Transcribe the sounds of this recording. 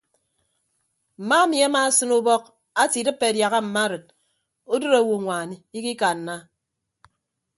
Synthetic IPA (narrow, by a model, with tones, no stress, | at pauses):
m̩˨ma˦mi˨a˦maː˦˨sɨ˦nu˦bɔ˦k̚ | a˦ti˨dɨ˦pːe˨dja˨ɣa˦m̩˨ma˦ɾɨ˨t̚ | o˦dɨ˦ɾa˨wu˨ŋʷa˨ni˦i˦ki˦ka˨n˨na˦